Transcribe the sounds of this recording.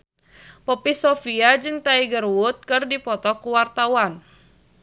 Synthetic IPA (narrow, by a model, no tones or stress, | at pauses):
pɔpisɔfiad͡ʒɨŋt̪aiɡərwʊt̪̚kɨrdipɔt̪ɔkuwart̪awan